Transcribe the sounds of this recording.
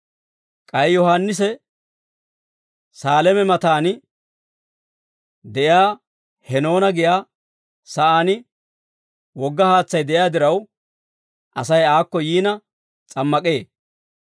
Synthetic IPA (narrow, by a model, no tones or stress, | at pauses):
kʼɐjjɔhanːɪs̬ɛ | saːlɛmɛmɐt̪aːnɪ | d̪ɛʔjaː | hɛno̞ːnɐɡɪjaː | sɐʔaːnɪ | wɔɡːɐhaːt͡sːɐjd̪ɛʔjaːd̪ɪɾɐw | ʔɐsɐjaːkːɔjiːnɐ | t͡sʼɐmːɐkʼe̞ː